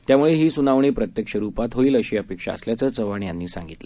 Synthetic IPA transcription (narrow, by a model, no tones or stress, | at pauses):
t̪jamuɭeɦiːsunaʋɳ̃epɾət̪jəkʂəɾupat̪ʰɦoɭiːləɕeəpekʂa̰ə̰sljat͡səːt͡səʋaɳjanːiːsa̰ŋɡit̪lə